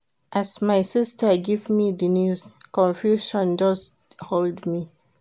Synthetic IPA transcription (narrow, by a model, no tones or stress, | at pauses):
ʔasmajsistəɡivmidənjuskɔ̃nfjuʃɔ̃nd͡ʒʌs | holdmi